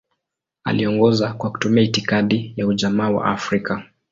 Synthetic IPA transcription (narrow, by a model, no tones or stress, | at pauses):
a̰liɔŋɡɔzakwaku̥tumiaitikaɗijauʄamaːwa̰ʔafɾika